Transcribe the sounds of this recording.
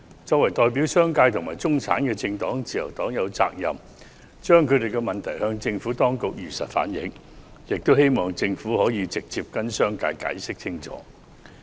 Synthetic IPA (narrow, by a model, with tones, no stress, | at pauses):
t͡sɔː˧k̚wɐ˨˩jt̪ɔː˨jp̬iː˨˥wsœː˥ŋkaː˧jt̪ʰʊ˨˩ŋmaː˨˩jt͡sʊ˥ŋt͡sʰaː˨˥nkɛː˧t͡sɪ˧ŋt̪ɔː˨˥ŋt͡siː˨jɐ˨˩wt̪ɔː˨˥ŋjɐ˨˧wt͡sa̰ː˧k̚jɐ̰˨m | t͡ʃœː˥ŋkʰɵ˨˧t̪e˨jkɛ˧mɐ˨˩nt̪ʰɐ˨˩jhœː˧ŋt͡sɪ˧ŋfuː˨˥t̪ɔː˥ŋkʊ˨k̚jyː˨˩sɐ̰˨t̚fa̰ː˨˥njɪ̰˨˥ŋjɪ˨k̚t̪o˥whe˥jmɔː˨ŋt͡sɪ˧ŋfuː˨˥hɔː˨˥jiː˨˧t͡sɪ˨k̚t͡siː˧p̚kɐ˥nsœː˥ŋka̰ː˧jka̰ː˨˥jsɪ˥k̚t͡sʰɪ˥ŋt͡sʰɔ̰ː˨˥